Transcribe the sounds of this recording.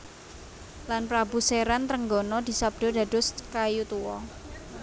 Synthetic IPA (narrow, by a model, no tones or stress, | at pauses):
lanpɾabṳseɾant̪ɾəŋɡɔnɔd̪̥i̤sab̚d̥ɔ̤da̤d̥ɔ̤skajut̪uwɔ̰